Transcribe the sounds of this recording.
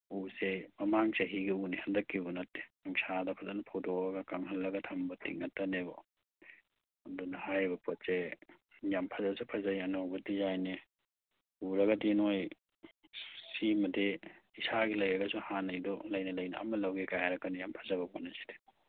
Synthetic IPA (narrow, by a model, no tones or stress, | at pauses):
usemɐmaŋseɦiɡiunihandɐkːibunɐtːe̥aŋsʰadɐpʰɐzanapʰawdoaɡakaŋɦalːɐɡɐtʰɐmbɐtḭŋatːɐnebɔ̰ | ɐdɔnɐhajbɐpɔtse | jampʰɐzabsupʰazajanɔwɡɐtizajne | uɾɐɡɐdinoj | simɐdeisaɡilɐjɐɡɐsuhanɐjdɔlɐjnɐlɐjna̰ɐ̰mɐlawɡekajaɾɐkːanijampʰɐzabɐbɔnɐsi̥de̥